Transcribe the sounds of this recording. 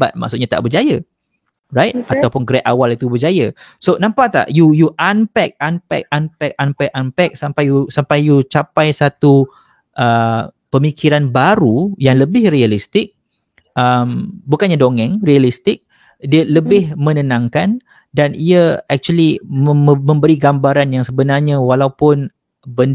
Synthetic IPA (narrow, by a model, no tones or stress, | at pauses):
ba̰t̪̚ma̰ʔsʊt̪ʔ̚ɲat̪a̰ʔbərd͡ʒaja | rajt̪̚at̪awpʊnɡɾɛt̪̚awalit̪ubərd͡ʒajasonãmpat̪a̰ʔjujuʔampɛk̚anpɛ̰k̚anpɛk̚ampɛʔampɛk̚sampajusampajjut͡ʃapajsat̪u | ʔəpəmikʰiɾanbaɾujaŋləbɪhrialist̪ɪk̚ | əmbukanɲadoŋɛ̃ŋrialist̪ɪk̚ | diələbɪhmə̃nənãŋkan | daniəɛk̚t͡ʃuəli | mə̃mbəɾiɡambaɾanjaŋsəbənarɲãwalawpʊn | bən